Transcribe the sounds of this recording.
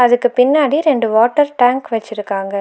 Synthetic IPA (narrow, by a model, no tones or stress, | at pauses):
ɐðɯkːɯpɪnːaːɽiɾɛɳɖɯʋoːʈːɐɾʈaːŋkʋɛt͡ʃːɪɾɯkːaːŋɡɐ